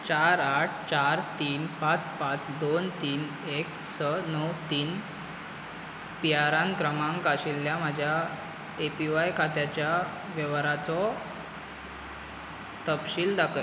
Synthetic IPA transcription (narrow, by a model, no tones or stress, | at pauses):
t͡ɕaɾaʈ̚ʰt͡ɕaɾt̪iːnpat͡spãt͡sd̪ont̪iːn | ek | sənəwt̪iːn | piaɾãnkɾəmãŋkaɕilːjam̤ad͡ʑʱja | epiʋajkʰat̪jat͡ɕja | ʋjeʋɾat͡sɔ | t̪əpɕiːld̪akʰə